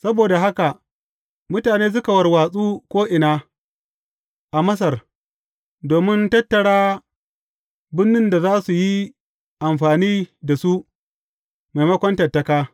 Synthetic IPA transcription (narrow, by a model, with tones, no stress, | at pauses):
sɐ˦boː˨da˨ɦa˦ka˨ | mʊ˦taː˨neː˦s̬ʊ˦ka˨wɐ˨rwaː˨sʼuː˦kʷoː˦ʔɪ˨naː˦ | ʔa˨mɐ˦s̬ɐ˨r | doː˨mɪ˦ntɐ˦tːɐ˨ɽaː˦ | bɪ˦nːɪ˦nda˨zaː˦su˨ji˦ | ʔa˨mɸaː˨niː˦da˨su˦ʔ | ma˨jmɐ˦kʷɐ˦ntɐ˨rtːɐ˦kaː˦